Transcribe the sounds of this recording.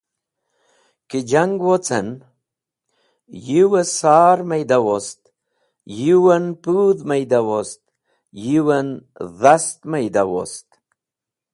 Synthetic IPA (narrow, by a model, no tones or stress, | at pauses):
kid͡ʒaŋɡwot͡sə̰n | jiwəsaːɾmajd̪awost̪ | jiwənpuðmajd̪awost̪̚ | jiwənðast̪majd̪awo̰st̪